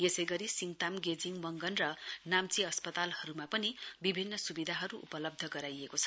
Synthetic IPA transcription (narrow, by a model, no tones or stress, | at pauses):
esʌjɡʌɾisiŋt̪amɡed͡ziŋmʌŋɡʌnrʌnamt͡siʌspʌt̪alhʌɾumapʌnibibʱinːʌsubid̪ʱaɦʌɾuṵpʌlʌb̚d̪ʱʌɡʌɾajekot͡sʰʌ̥